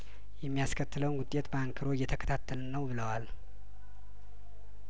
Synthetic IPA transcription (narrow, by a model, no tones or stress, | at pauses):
jɛmːijaskʰət̪ːɨləwnɡʊt̪ʼjet̪baŋkʰɨɾo̞jːɛt̪ʰəkʰə̥t̪ʰat̪ʰːəlnəwbɨləwal